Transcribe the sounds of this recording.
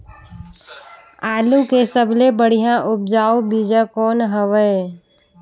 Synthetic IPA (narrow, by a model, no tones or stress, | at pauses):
aːlũkesəblebəɽ̤ijãʔʊp̚d͡ʒaːobid͡ʒəkɔːnɦəʋəe